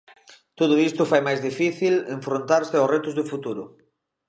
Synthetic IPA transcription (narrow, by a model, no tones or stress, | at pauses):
t̪oðʊist̪ʊfajmajzðifiθileɱfɾont̪aɾsɪaʊsret̪ʊzðʊfut̪uɾʊ